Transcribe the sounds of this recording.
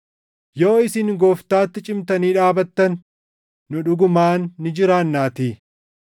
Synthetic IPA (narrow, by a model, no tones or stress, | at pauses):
jo̞ːɪsɪŋɡoːft̪aːt̪ːɪt͡ʃʼɪmt̪ɐniːᶑaːbɐt̪ːɐnː | ʊᶑʊɡʊmaːnːɪd͡ʒɪɾaːnːaːt̪iː